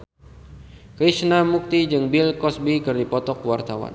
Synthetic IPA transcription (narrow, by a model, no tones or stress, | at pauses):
kəiʃnamuk̚t̪id͡ʒɨŋbilkɔsbikɨrdipɔt̪ɔkwart̪awa̰n